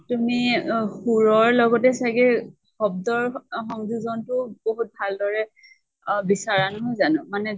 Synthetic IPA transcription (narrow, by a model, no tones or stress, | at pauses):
tumixuɹɔɹlɔɡɔtɛsaɡɛ | xɔb̚dɔɹxɔŋzuzɔntʊboɦut̚bʱaldɔɹɛ | bisaɹanʊzanɔmanɛ